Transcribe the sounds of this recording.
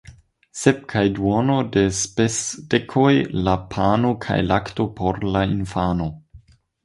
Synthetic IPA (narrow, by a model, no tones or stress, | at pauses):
sep̚kʰajduonode̞spesd̥ekʰojlapʰanokʰa̰jlakto̞pʰoɾlainfano̞